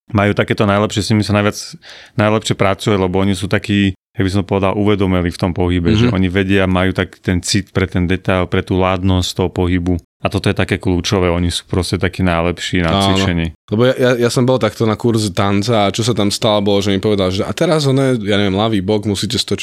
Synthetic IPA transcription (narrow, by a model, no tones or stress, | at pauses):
majuːt̪akɛːt̪ɔnajlɛpʃɪɛsɲimisanajʋad͡znajlɛpʃɪɛpɾat͡sujalɛbɔɔɲisuːt̪akiːjaɡ̚bis̬ɔmt̪ɔ̥pɔʋɛd̪alˠʔuʋɛd̪ɔmɛlift̪ɔmpɔɦibɛʒɛʔɔɲiʋɛɟɪamajuːt̪aki̥ːt̪ɛnt͡sit̪pɾɛt̪ɛnd̪ɛt̪ajlpɾɛt̪uːlaːd̪nɔsct̪ɔɦɔpɔɦibu | at̪ɔt̪ɔjɛt̪akɛːkluːt͡ʃɔʋɛːɔɲisu̥ːpɾɔscɛt̪akiːnajlɛpʃiːnat͡sːʋinʃɛɲɛlɛbɔjajajasɔmbɔlˠt̪akt̪ɔnakuɾzt̪ant͡saːt͡ʃɔsat̪amst̪alabɔlɔʒɛɔmipɔʋɛd̪alʒɛʔat̪ɛɾazɔnɛjaɲɛʋɛmlaʋiːbɔkmusiːcɛst̪ɔt͡ʃ